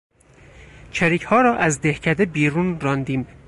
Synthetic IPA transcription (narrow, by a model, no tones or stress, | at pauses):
t͡ʃʰæɾiːcʰhɒːɾɒːʔæzd̪ehcʰæd̪ebiːɾunɾɒːnd̪iːm